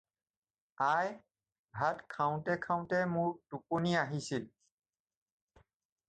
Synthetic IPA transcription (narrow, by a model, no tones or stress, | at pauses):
aj | bʱatkʰaʊ̃tɛkʰaʊ̃tɛmʊɹtuponiaɦisil